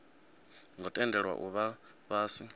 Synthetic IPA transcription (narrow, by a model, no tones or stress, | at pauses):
ŋɔtʼɛndʱɛɺwa̰ʔuβa | βaːsi